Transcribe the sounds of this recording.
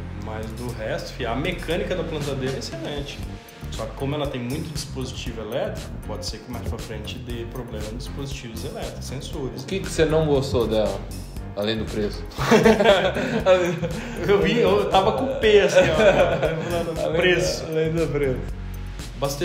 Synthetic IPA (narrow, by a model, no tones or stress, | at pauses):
mɐjzd̪ʊɦɛst̪ʊ̥fĩɐmekɐ̃nikɐd̪ɐplɐ̃nt̪̬ad̪eɾɐɛeselẽt͡ʃɪ̥k | sɔkɪ̥kõmʊɛlɐt̪ẽj̃mũj̃t̪ʊd͡ʒispozit͡ʃivʊelɛt̪ɾikʊpɔd͡ʒɪseɾkɪmajspɾɐfɾẽnt͡ʃɪd̪ɪpɾoblẽmɐd͡ʒispozit͡ʃivʊzelɛt̪ɾksẽsuɾɐskɪkɪ̥senɐ̃w̃ɡost̪od̪ɛlɐ̰ | alẽj̃d̪ʊpɾesʊ̥ | alẽ | ewvĩewt̪avɐkõpes | lãnlpɾesʊ̥alẽj̃d̪ʊpɾes | bast̪e